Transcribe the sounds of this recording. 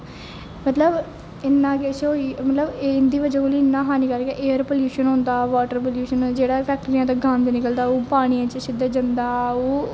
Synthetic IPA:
mət̪ləb | ɪnːãːkesoiːmət̪ləbnd̪iːʋəd͡ʒãkoːliːɪnːãːɦaːniːkəɾkeʔeːəɾpoːljuːʃənɦõːnd̪aːʋaːʈəɾpoljuːʃənd͡ʒeːɽaːpʰɛːk̚ʈɾijãt̪aːɡʱãːnd̪nɪkəld̪aːuːpaːɽ̃iːãːt͡ʃəsɪd̪əd͡ʒənd̪aːuː

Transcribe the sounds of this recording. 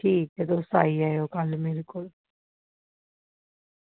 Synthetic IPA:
ʈʰiːk̚t̪et̪oʊsaːiaːjoːkəlmeːɾekoːl

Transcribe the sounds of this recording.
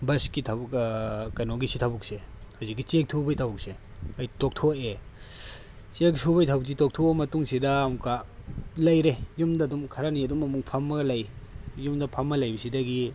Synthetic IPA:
bɐskitʰɐbkɐnoɡisitʰabuk̚sehawzik̬ːit͡ʃek̚tʰubɐjtʰɐbuk̚se | ɐjtok̚tʰoe | t͡ʃek̚tʰubɐjtʰabuk̚s̬itok̚tʰumɐtuŋsidɐːmukalɐjɾejumdɐdumkʰɐɾaniɐdumɐmuŋpʰɐmːɐɡɐlɐjjumdɐpʰɐmːɐlɐjbisidɐɡi

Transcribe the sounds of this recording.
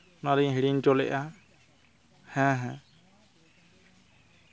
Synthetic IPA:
naliɦiɽintɔlɛ̰ʔa | hɛ̃ɦɛ̃

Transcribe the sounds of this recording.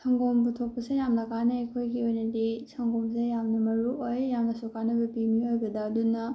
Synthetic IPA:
sɐŋɡombutʰok̚pɐsejamnɐkʰanɐejkʰojɡiojnɐdisʰɐŋɡomsejamnɐmɐɾuʔojjamnɐsokanɐbɐpimiojɡɐdɐːdunɐ

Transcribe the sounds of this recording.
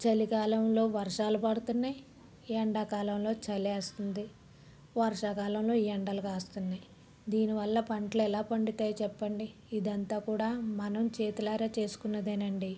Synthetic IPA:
t͡ʃɐlikaːlɐmlo̞ːʋɐɾʂaːlupɐɽut̪unːɐj | ɛɳɖaːkaːlɐmlo̞ːt͡ʃɐleːst̪und̪i | ʋɐɾʂaːkaːlɐmlo̞ːɛɳɖɐlɐɡaːst̪unːɐ | d̪iːniʋɐlːɐpɐɳʈluɛlaːpɐɳɖit̪aːjɐt͡ʃɛpːɐɳɖiː | d̪ɐnt̪aːkuːɽaːmɐnɐmt͡ʃeːt̪ulaːɾat͡ʃe̞ːsu̥kunːɐd̪enɐɳɖi

